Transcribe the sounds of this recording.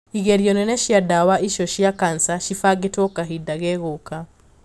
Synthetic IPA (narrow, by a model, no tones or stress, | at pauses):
iɣɛɾjɔnɛnɛʃiadawaʔiʃɔʃiakansaʃifaɡetɔkaɦidaɣɛɣoka